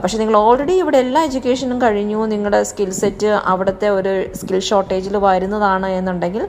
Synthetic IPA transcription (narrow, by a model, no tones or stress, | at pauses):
pɐkʂeniŋːɐɭo̞ːlreɽiiʋiɽeelːaːed͡ʑukʲːe̞ːʂɐnumkɐɻiɲːuniŋːɐɭɽe̞skilsetːɨʔɐ̰ʋiɽɐt̪ːe̞o̞ɾuskilɕo̞ːʈːe̞ːd͡ʑilʋɐjɾunːɐðaːɳɨe̞nːuɳɖe̞ŋɡil